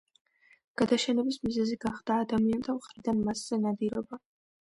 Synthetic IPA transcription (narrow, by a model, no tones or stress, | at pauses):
ɡ̥ad̪aʃɛnɛbismizɛziɡaχd̪̥aːd̪amiant̪ʰamχɾid̪anmasz̥ɛnad̪iɾɔba